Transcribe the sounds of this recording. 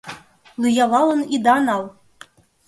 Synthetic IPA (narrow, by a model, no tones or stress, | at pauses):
lˠujɑlɑlˠɤ̆nid̪ɑnɑlˠ